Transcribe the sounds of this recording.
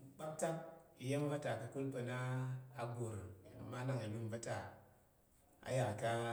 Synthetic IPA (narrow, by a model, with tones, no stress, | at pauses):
k͡pa˦p̚ta˦k̚i˨je˦m˦va˦ta˨ka˨ku˦lpə˧naː˦ɡo˨ɾma˦na˦˨ŋa˨ju˦m˦va˦ta˨ | a̰˨ja˨ka˦